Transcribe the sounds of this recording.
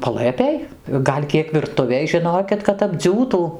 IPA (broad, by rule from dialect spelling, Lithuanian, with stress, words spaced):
pɐˈlˠɘpʲeːj ˈɡɐlʲ ˈkʲiɛk ʋʲɪrˈtʊʋʲeːj ʒʲɪˈnoːkʲɪt kɐt ɐbʲˈd͡zʲuːtuː